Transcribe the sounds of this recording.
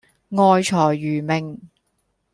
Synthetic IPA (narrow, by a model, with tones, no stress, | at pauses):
ŋɔː˧jt͡ʃʰɔː˨˩jːyː˨˩mɪ˨˩ŋ